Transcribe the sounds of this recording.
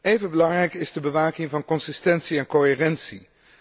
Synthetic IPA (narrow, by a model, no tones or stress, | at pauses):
ejvənbəlɑŋrɛjkɪzdəbəʋaːkɪŋvɑnkɔnsɪstɛntsiɛnkoɦɪːrɛntsi